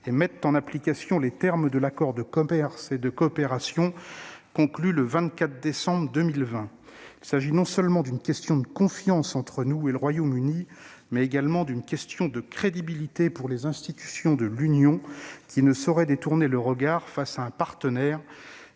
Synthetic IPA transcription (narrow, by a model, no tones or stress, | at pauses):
emɛt̪ɑ̃naplikasjɔ̃let̪ɛʁmd̪əlakɔʁd̪əkɔmɛʁsed̪əkɔːpeʁasjɔ̃kɔ̃klyləvɛ̃t̪kʲat̪χd̪esɑ̃bʁəd̪əmilvɛ̃ | ilsaʒinɔ̃səlmɑ̃d̪ynkʲɛst̪jɔ̃d̪əkɔ̃fjɑ̃sɑ̃t̪χənueləʁwajomyni | mɛeɡalmɑ̃d̪ynkʲɛst̪jɔ̃d̪əkχed̪ibilit̪epuʁlezɛ̃st̪it̪y̥sjɔ̃d̪əlynjɔ̃kʲinəsɔʁɛd̪et̪uʁneləʁəɡaʁfasaɛ̃paʁt̪ənɛːʁ